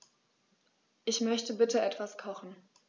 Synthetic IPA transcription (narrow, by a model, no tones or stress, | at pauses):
ʔɪçmœçtəbɪtəʔɛtv̥askʰɔχn̩